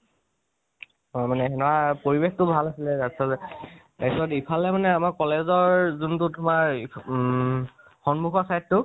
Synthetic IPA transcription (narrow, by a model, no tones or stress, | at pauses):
manɛɛnɔwapoɹibextʊbʱalasilɛtasazɛ | ajsɔtipʰalɛmanɛamaɹkɔlezɔɹzuntʊtʊmaɹi | xɔnmuxɔsajtːʊ